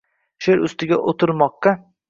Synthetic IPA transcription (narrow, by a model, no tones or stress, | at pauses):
ʃeɾʊst̪ɪɡʲaʔot̪ʰɪɾmɒqːɑ